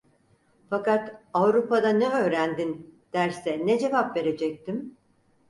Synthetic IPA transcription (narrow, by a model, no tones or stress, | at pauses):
fakat̪avɾupʰad̪anɛø̞ːɾænd̪ind̪̥æɾsɛnɛd͡ʒe̞vapve̞ɾe̞d͡ʒɛc̚t̪ʰim